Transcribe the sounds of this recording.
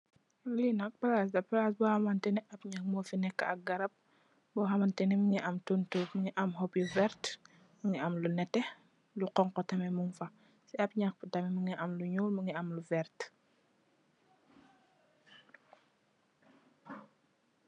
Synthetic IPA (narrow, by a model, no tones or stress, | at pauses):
linɐk̚bɐlas̬dɐpɐlasbɔhɐmɐntɛniʔɐbɲak̚mɔfinɛkːɐɐk̚ɡɐɾɐp̚ | bɔɦɐmɐntɛniməŋiʔɐmtuntuməŋiʔɐmɦɔpjuvɛɾt | məŋiɐmlunɛtːɛ | luqɔŋkɔtɐmɛmuŋfɐ | sɛɐb̚ɲak̚btɐmɛməŋiʔɐmluɲuːlməŋiɐmluvɛɾt